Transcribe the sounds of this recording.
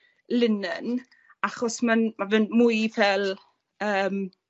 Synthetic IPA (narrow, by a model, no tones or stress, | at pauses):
lɪnən | aχɔsmanmavɨnmujvɛlˠ | əːm